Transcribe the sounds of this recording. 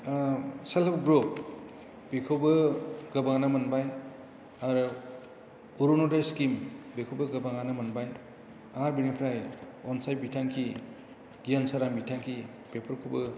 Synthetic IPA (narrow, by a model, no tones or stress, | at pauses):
selabɡɾok̚ | b̥ikʰobɯɡɐbaŋanamɐnbaj | aɾ | uɾonodaskimbekʰowbɯɡɐbaŋanamɐnbaj | aɾbinepʰɾaj | ɔnsajbitʰaŋkʰi | ɡ̥ijansaɾambitʰaŋkʰi | b̥epʰɯɾkʰubɯ